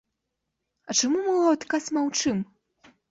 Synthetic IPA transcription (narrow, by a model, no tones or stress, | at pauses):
ɐt͡ʂamumɨwat̪kasmawt͡ʂɨm